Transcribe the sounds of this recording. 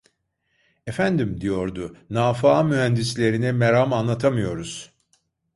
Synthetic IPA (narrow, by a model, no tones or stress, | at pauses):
efænd̪imd̪ijo̞ɾd̪ʊnaːfaːmyɦænd̪islʲe̞ɾinimeɾamanlˠat̪ʰamɯjo̞ɾuz̥